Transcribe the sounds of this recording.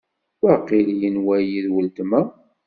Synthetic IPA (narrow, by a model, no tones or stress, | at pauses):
wæqilijənwæjiðwəlt̪mæ